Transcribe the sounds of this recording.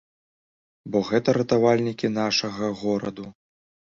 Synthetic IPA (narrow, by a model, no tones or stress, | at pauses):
bɔɣɛt̪ɐɾɐt̪avalʲnʲikʲin̪aʂɐɣɐɣɔɾɐd̪u